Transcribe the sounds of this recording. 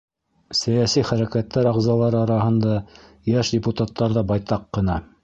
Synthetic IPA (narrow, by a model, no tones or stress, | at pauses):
sæjæsiχæɾækæt̪ːæɾɑʁzɑlˠɑɾɤɑɾɑɦɤ̆nd̪ɑ | jæʃdʲɪput̪at̪ːɑɾðɑbɑjt̪ɑqːɤ̆nɑ